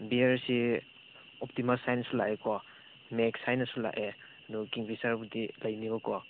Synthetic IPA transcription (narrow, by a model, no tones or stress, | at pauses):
biaɾsi | ɔp̚timalsajnsulaʔekɔ | meksajnɐsula̰ʔe | dɔkiŋpisaɾbudilɐjnibɔkɔ